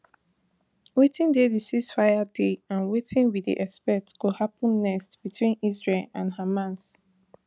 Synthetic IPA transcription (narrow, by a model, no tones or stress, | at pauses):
wetĩndelisisfajadeãnwetʰĩnwidḭʔɛspɛtɡ̥ohapə̃nːɛstb̥itʰwĩnizɹelãnhamãns